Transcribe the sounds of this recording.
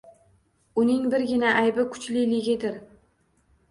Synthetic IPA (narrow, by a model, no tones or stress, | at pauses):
ʊnɪŋbɪɾɡʲɪnaʔajbɪkʰʊ̥t͡ʃlɪlɪɡʲɪd̪ɪɾ